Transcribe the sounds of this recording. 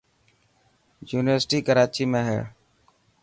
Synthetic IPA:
juːnɪʋəɾsʈiːkəɾaːt͡ʃiːmẽːɦɛ̰ː

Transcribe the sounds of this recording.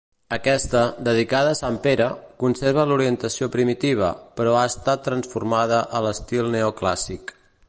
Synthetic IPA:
əkɛst̪əd̪əð̞ikað̞əːsampeɾəkunseɾβ̞əluɾiənt̪əsiopɾimit̪iβ̞ə̰pəɾɔaəst̪at̪ːɾənsfurmaðəʔələst̪ilˠneokla̰sik

